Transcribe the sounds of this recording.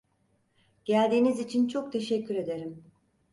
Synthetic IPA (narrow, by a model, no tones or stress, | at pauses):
ɟ̥ælʲd̪iːnizit͡ʃʰint͡ʃʰok̚t̪ʰe̞ʃɛcːyɾe̞d̪e̞ɾim